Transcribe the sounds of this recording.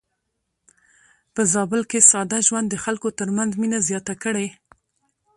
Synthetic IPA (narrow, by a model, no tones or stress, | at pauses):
pəzɑbɪlkesɑd̪aʒwand̪ːəxalkot̪əɾmanzminazjɑt̪akəɽe